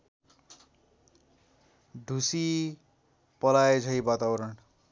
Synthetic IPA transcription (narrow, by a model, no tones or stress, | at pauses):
ɖʱusi | pʌlajt͡sʰʌjbat̪abʌɾʌɳ